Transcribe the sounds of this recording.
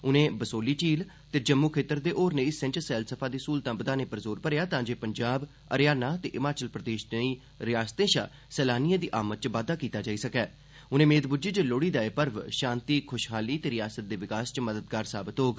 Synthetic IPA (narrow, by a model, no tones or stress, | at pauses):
ʊnẽːbəsoːliːt͡ʃiːl | t̪eːd͡ʒəmːuːkʰeːt̪əɾd̪eːʔoːɾnẽːɪsɪ̃ɲt͡ʃsɛːlsəpʰaːd̪iːsuːlt̪ãːbəd̪aːneːpəɾzoːɾpəɾejaːt̪ãːd͡ʒeːpəɲd͡ʒaːb | ə̰ɾjaːnaːt̪eːʔɪmaːt͡ʃəlpɾəd̪eːʃneiː | ɾɪjaːst̪ẽːʃaː | sɛːlaːnijãːd̪iːʔaːmət̪̚t͡ʃʋaːd̪aːkiːt̪aːd͡ʒaːiːsəkɛː | ʊnẽːmeːd̪bʊd͡ʒiːt͡ʃəloːɽiːd̪aːepəɾʋʃãːnt̪iːkʰʊʃɦaːliːt̪eːɾɪjaːsət̪̚d̪eːʋɪkaːst͡ʃməd̪əd̪ɡaːɾsaːbɪt̪ɦoːɡ